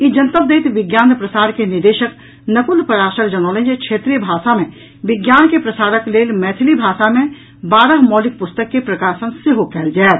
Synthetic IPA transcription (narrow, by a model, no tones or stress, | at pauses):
id͡ʒənt̪əb̚d̪eːt̪ʋɪɡjaːnpɾəsaːɾkenɪd̪eːʃək | nɐkʊlpɐɾaːʃəɾd͡ʒɐnɔːlẽd͡ʒekʃʰeːt̪ɾibʱaːʃamẽ | ʋɪɡjaːnkepɾɐsaːɾəkleːlmɛːt̪ʰɪlibʱaːʃamẽ | baːɾəɦmɔːlɪk̚pʊst̪əkːepɾɐkaːʃənseɦokʰɛːld͡ʒaːe